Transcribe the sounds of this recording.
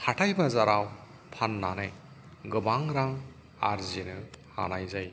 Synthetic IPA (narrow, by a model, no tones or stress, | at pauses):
hatʰajbazaɾaw | pʰanːanaj | ɡɯbaŋɾaŋ | a̰ɾzinɯha̰najzaj